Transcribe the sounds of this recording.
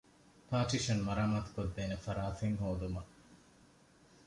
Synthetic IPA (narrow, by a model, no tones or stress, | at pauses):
pʰaːʈiʃɐnmɐɾaːmaːt̪u̥kod̪ːeːnefɐɾaːfeŋɦoːd̪umɐ